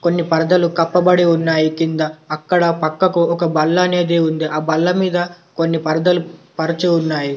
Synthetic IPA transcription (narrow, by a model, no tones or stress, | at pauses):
ko̞nːipɐɾɐd̪ɐlukɐpːɐbɐɽiunːaːjikind̪ɐːkːɐɽɐpɐkːɐkuɔkɐbɐlːɐːne̞ːd̪eːund̪iʔaːbɐlːɐmiːd̪ɐ | konːipɐɾd̪ɐlupɐɾit͡ʃiunːaːji